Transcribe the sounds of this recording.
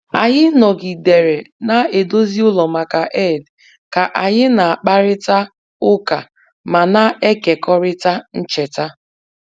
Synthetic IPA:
a˨ɲɪ˦nɔ˨ɡi˨de˨ɾe˨na˦e˨do˦zi˦ʊ˦lɔ˨ma˨ka˨ʔe˦˨d | ka˨ʔa˨ɲɪ˦na˨a˨k͡pa˦ɾɪ˦ta˦ | ʊ˦ka˨ | ma˨na˦e˦ke˨kɔ˦ɾɪ˦ta˦n̩˦t͡ʃe˨ta˦

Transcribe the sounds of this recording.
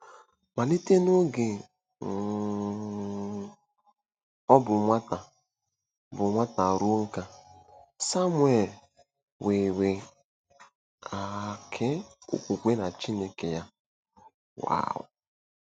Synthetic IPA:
ma˨li˦te˦no˦ɡe˨ | ɔ˦bʊ˨mʷa˦ta˨ | bʊ˨mʷa˦ta˨ɾu˦ŋ̩˦ka˦ | sa˦mwe˨l | we˨we˨ | a˨kʰe˦ṵ˨kʷu˨kʷe˦na˨t͡ʃi˦ne˨ke˨ja˦ | wa̰ː˨ʊ̰˨

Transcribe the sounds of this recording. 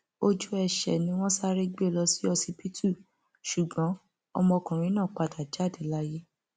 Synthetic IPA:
o˧d͡ʒu˦ɛ˧ʃɛ̰˨nĩ˧˦w̃ɔ̃˦sa˦ɾe˦ɡ͡be˦˨lɔ˧si˦ɔ˧si˧pi˦tʰu˦˨ | ʃu˨ɡ͡bɔ̃˨˦ | ɔ˧mɔ̃˧kũ˨ɾ̃ĩ˨˦nã˦˨k͡pa˧˨ta˨d͡ʒa˦˨dɛ˨la˦je˦

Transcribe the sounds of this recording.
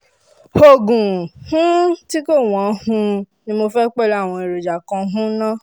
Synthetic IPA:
ho˨ɡũ˨hũ˦ti˦ko˦˨w̃ɔ̃˨˦hũ˧ | nĩ˧mo˧fɛ˦k͡pɛ˦la˦˨w̃ɔ̃˧i˨ɾo˨d͡ʒa˨kɔ̃˧ɦũ˦nã˦

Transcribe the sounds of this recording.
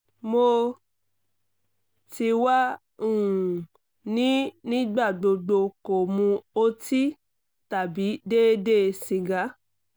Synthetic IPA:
mo˧ | ti˧wa˦ | ũ˦˨ | nĩ˨˦nĩ˦ɡ͡ba˦˨ɡ͡bo˧ɡ͡bo˧ko˨mũ˧o˦ti˦ | ta˨bi˨˦de˦de˦˧sĩ˧ɡa˨˦

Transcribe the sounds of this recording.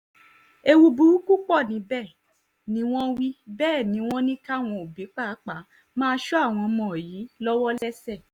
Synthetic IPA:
e˧wu˧bu˨˦u˦ku˦k͡pɔ˦˨nĩ˨˦bɛː˦˨ | nĩ˨˦w̃ɔ̃˦wi˦bɛː˦˨nĩ˨˦w̃ɔ̃˦nĩ˦ka˦˨w̃ɔ̃˧o˨bi˨˦k͡pa˦˨˦k͡pa˨˦ | mãː˦ʃɔ˦a˦˨w̃ɔ̃˧mɔ̃˨ji˨˦lɔ˦wɔ˦lɛ˦sɛ˦˨

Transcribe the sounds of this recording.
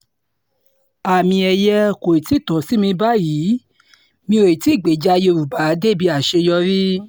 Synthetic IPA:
a˨mĩ˧ɛ˧jɛ˦ko˨i˨ti˨˦˨tɔ̃˨si˦mĩ˧ba˦ji˨˦ | mĩ˧o˨i˨ti˨˦˨ɡ͡be˨d͡ʒa˧˦˧je˧˨ɾu˨ba˨˦de˦˨bi˨˧˦a˨ʃe˧jɔ˧ɾi˦

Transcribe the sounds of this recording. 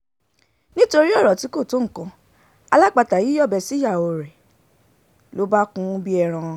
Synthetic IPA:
nĩ˦to˧ɾi˦ɔ˦˨ɾɔ˨ti˨˦ko˦˨to˨˦ŋ̩˨kã˧˦ | a˧la˦˨k͡pa˧ta˨ji˨˦ɔ˦˨bɛ˧si˦ja˦˨o˧˨ɾɛ˨ | lo˨˦ba˦kũ˧˦bi˦ɛ˧ɾ̃ã˧

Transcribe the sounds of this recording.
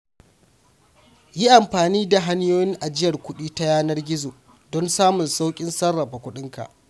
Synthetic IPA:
ji˦ʔa˨mɸaː˨niː˦da˨ɦa˦njoː˦jɪ˦ŋʔa˨d͡ʒɪ˦jɐ˨rkʷʊ˦ɗiː˦ta˦jaː˦nɐ˦rɡʲɪ˦zoː˨ | dɔ˦nsaː˦mʊ˨nsa˦wkʲʼɪ˦nsɐ˦rːɐ˨ɸa˨kʷʊ˦ɗɪ˦ŋka̰˨ʔ

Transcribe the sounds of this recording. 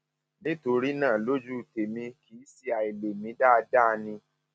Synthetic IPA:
nĩ˦to˧ɾi˦nãː˦˨lo˦d͡ʒu˦˨te˨mĩ˧ki˨˦si˦a˨i˨le˨mĩ˧˦da˦˧da˦˧nĩ˧

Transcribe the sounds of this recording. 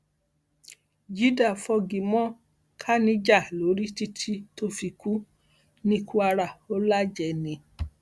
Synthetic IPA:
d͡ʒi˦da˦˨fɔ˧ɡi˨mɔ̃˦ | kʰa˦nĩ˧d͡ʒa˦˨lo˨˦ɾi˦ti˦tʰi˦to˧fi˧ku˦ | nĩ˦˧˦kʰũ˦a˧ɾa˨o˦la˦d͡ʒɛ˨˧˨nĩ˧˦

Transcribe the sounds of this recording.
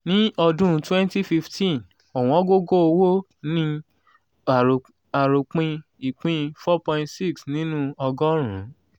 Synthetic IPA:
nĩ˦ɔ˧dũ˦˧twɛ̃˦n˦ti˦fi˧ftĩ˦˨n | ɔ˨w̃ɔ̃˨˦ɡo˦ɡo˦o˧wo˦ | nĩ˦ | a˨ | a˨ɾo˨k͡pĩ˧ | i˨k͡pĩ˧fɔ˦pɔ̃˧ĩ˧tsi˦˨ksnĩ˦nũ˦ɔ˧ɡɔ˦ɾ̃ṵ̃˨˦

